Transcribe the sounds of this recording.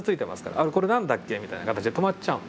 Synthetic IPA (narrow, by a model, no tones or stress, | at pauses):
t͡sɨit̪e̞ma̰sɨ̥ka̰ɾa̰ʔaɾeko̞ɾe̞nãnd̪akːe̞ːmit̪ainakat̪at͡ɕid̪e̞t̪o̞mat͡ɕaɯ̃